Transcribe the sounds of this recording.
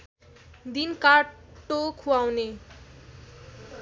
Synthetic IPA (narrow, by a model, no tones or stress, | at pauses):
d̪inkaokʰuawne